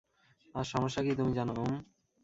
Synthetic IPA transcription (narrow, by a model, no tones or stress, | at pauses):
aʃɔmoʃːakit̪umid͡ʑanom